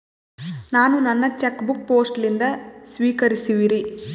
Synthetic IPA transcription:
naːnunɐnːɐt͡ʃekːbuk̚po̞ːsʈlind̪ɐsʋiːkɐɾisiʋiɾi

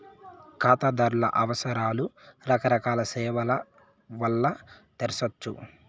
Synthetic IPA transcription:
kaːt̪aːd̪aːɾulɐ̰ʔɐʋɐsɐɾaːluɾɐkɐɾɐkaːlɐsɛːʋɐlɐ | ʋɐlːɐt̪eɾɐsɐt͡ʃːṵ

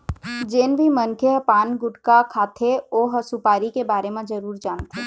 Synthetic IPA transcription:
d͡ʒeːnbʱimənkʰeɦpaːnɡʊʈkakʰaːt̪ʰeoːɦɐsupaːɾikebaːɾemẽd͡ʒɐɾuːɾd͡ʒaːnt̪ʰeː

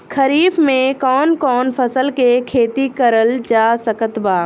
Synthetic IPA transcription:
kʰəɾiːfmẽkɔːnkɔːnpʰɐsəlkekʰeːt̪ikəɾəld͡ʒaːsəkət̪baː

